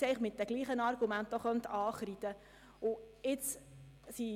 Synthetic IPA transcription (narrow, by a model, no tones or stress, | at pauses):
ɛɪχmɪt̚d̥ɛɡ̥liːχənɑɾɡ̥umænt̚dɔχœnt̪ʰɑːχɾid̪ə | ʊ | ɪt͡s | si